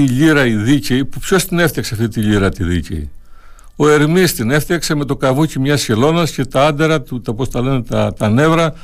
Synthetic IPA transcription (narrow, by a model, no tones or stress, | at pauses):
iʎiɾɐiðiceipupço̞st̪ine̞fθɐkseɐft̪it̪iʎiɾɐt̪iðḭcḛḭ | o̞e̞ɾmist̪ine̞fθɐkse̞me̞t̪o̞kɐvucimɲɐsçelo̞nɐsce̞t̪ɐɐnd̪eɾɐt̪ut̪ɐpost̪ɐle̞net̪ɐt̪ɐne̞vɾɐ